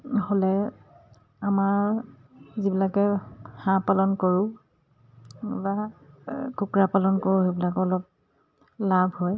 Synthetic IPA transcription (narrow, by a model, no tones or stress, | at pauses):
holɛ | amaɹ | zibilakɛhãpalɔnkoɹʊ̃ | ba | kukɹapalɔnkoɹʊebilakɔɔlɔp̚ | labʱhɔj